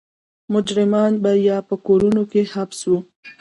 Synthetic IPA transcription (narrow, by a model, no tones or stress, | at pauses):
mʊd͡ʒɾɪmɑnbajɑpəkoɾunokehabswu